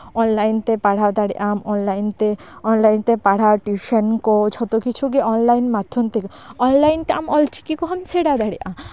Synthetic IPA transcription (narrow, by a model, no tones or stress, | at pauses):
ɔnlajnt̪epaɽ̤awd̪aɽḭʔamɔnlajnt̪eɔnlajnt̪epaɽ̤awʈiʃenkot͡ʃʰɔt̪okit͡ɕʰukeʔɔnlajnmad̪ʱʰːont̪eke | ɔnlajnt̪eamɔlt͡ɕi̥kikɔɦamseɽad̪aɽiʔã